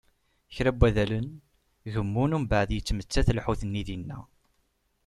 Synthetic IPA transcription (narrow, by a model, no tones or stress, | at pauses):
çɾæbːæðælən | ʝəmːunumbaʕəðjət͡sːmət͡sːæθəlħuθənːiðinːæ̰